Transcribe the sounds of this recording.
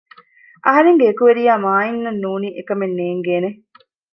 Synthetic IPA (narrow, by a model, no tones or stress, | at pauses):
ʔɐɦɐɾeŋɡeːkuʋeɾijaːmaːinːɐnːuːniːʔekɐmenːeːŋɡeːne